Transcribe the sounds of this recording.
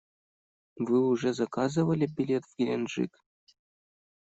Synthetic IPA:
vɨuʐezakɑzɨ̆ʋəlʲebʲilʲet̪vɡʲilʲenʐḭkʲ

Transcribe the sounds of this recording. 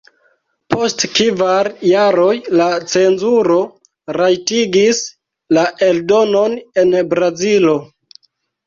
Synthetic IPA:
po̞stkivaɾjaɾo̞jlat͡se̞nzuɾo̞ | ɾajtiɡis | laʔe̞ldo̞none̞nbɾazilo̞

